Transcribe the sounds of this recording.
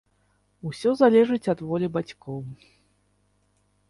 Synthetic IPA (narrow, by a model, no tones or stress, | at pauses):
usʲɔzalʲɛʐɨt͡sʲɐd̪vɔlʲibat͡sʲkɔw